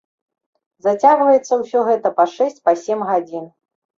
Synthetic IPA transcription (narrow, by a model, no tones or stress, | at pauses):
zat͡sʲaɣvɐjɛt̪sːɐwsʲɔɣɛt̪ɐpɐʂɛsʲt͡sʲpɐsʲɛmɣad͡zʲin